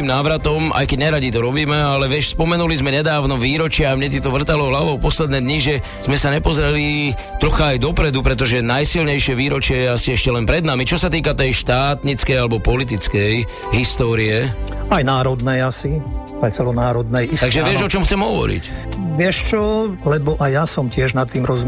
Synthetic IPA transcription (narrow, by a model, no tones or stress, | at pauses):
imnaːʋɾat̪ɔmʔa̰jkɛɟɲɛɾaɟit̪ɔɾɔbiːmɛalɛʋɪɛʃspɔmɛnulizmɛɲɛd̪aːʊnɔʋiːɾɔt͡ʃɪaamɲɛt̪̬it̪ɔʋr̩t̪alɔɦlaʋɔʊpɔslɛd̪nɛːd̪ɲiʒɛ | z̥mɛsaɲɛpɔzɾɛli | t̪ɾɔxaːjd̪ɔpɾɛd̪upɾɛt̪̬ɔʒɛnajsilɲɛjʃɪɛʋiːɾɔt͡ʃɪɛjɛasiɛʃcɛlɛnpɾɛd̪namit͡ʃɔsat̪iːkat̪ɛjʃt̪aːt̪ɲit͡skɛjalɛbɔpɔlit̪̬it͡skɛj | ɦist̪ɔːɾiɛajnaːɾɔd̪nɛjasi | ajt͡sɛlɔnaːɾɔd̪nɛjit̪aɡʒɛʋɪɛʒɔt͡ʃɔmxt͡sɛmɦɔʋɔ̰ɾḭcʋɪɛʃt͡ʃɔlɛbɔʔajasɔmcɪɛʒnat̪ːiːmɾɔzm